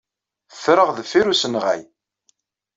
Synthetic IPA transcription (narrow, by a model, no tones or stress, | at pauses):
θɾəʁðfiɾusənʁæ̰j